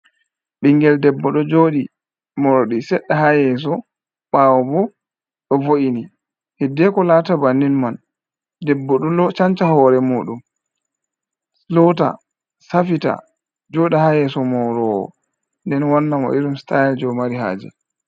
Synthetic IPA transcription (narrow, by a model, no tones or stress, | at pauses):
ɓiŋɡɛldɛbːɔɗɔd͡ʒoɗi | mɔɾɔɗisɛɗːaɦajɛs̬ɔ | ɓawɔbɔ | ɗɔvoʔini | hɛdɛkɔlaːtabanːinman | dɛbːɔɗɔlɔt͡ʃant͡ʃahɔɾɛmuːɗum | lɔta̰ | safita̰ | d͡ʒoɗihajɛsɔmɔɾɔɔ̰ | ndɛnwanːamɔ̰ʔiɾumstajɛld͡ʒɔmaɾiɦa̰ːd͡ʒɛ̰